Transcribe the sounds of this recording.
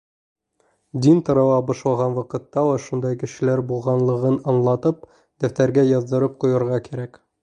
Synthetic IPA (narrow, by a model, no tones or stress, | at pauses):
d̪int̪ɤ̆ɾɤ̆wɑbŏʃlˠɑʁɑnwɑqɤ̆t̪ːɑlˠɑʃund̪ɑjkɘ̆ʃɘ̆læɾbulˠʁɑnlˠɤ̆ʁɤnɑnlˠɑt̪ɤp̚ | d̪̥æft̪æɾɡæjɑzd̪ɤ̆ɾɤp̚qujɤ̆ɾʁɑkæɾæk